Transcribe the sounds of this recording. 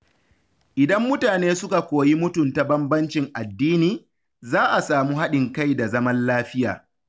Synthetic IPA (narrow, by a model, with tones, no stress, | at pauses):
ʔɪ˨dɐ˦mːʊ˦taː˨neː˦sʊ˦ka˨kʷoː˨ji˦mʊ˦tʊ˨nta˨bɐ˦mbɐ˦nt͡ʃɪ˨ŋʔa˨dːiː˦niː˨ | zaː˦ʔa˨saː˨muː˦ɦa˦ɗɪ˨ŋka˦˨jda˨zɐ˦mɐ˦nlaː˦ɸɪ˦ja̰ː˨